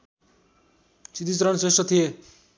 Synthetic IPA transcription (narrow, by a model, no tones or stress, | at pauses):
sid̪it͡sɾʌnsesʌt̪ʰije